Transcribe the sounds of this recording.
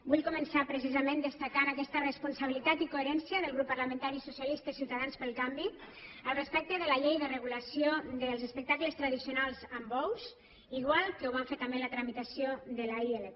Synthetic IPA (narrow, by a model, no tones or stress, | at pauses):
buʎkumənsapɾəsizəmẽnd̪əst̪akanakɛst̪ərəspunsəβ̞ilit̪at̪ikoeɾɛnsiəðəlɣ̞ɾupːəɾləmə̃nt̪aɾisusjalist̪əisiwt̪aðanspəlˠkambi | əlˠrəspɛk̚t̪əðələʎejðərəɣuləsiod̪əlˠzəspək̚t̪akləst̪ɾəðisiunalˠzəmbɔwz | iɣwalˠkəuβ̞aɱfeɾt̪əmbelət̪ɾəmit̪əsioðəlaele